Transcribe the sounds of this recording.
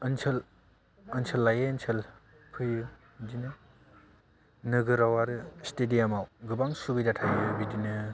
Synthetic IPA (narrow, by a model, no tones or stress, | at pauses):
ɯnsʰɯl | ɐnsʰɐlːajeːnsʰɯl | pʰɯjɯ | dinɯ | nɯɡɯɾawaɾɯstedijamawɡɯbaŋsubidatʰajɯbidinɯ